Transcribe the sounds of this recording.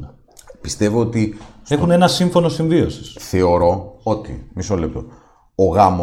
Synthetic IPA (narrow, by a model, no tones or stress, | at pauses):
pist̪e̞voot̪ie̞xune̞nɐsiɱfo̞no̞siɱvio̞si̥sθe̞o̞ɾo̞ot̪ḭmisolep̚t̪o̰ | oɣɐmo